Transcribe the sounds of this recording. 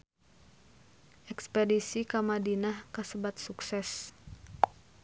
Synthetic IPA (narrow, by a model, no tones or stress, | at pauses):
ʔɛkspedisikamadinahkasəbat̪̚suksɛs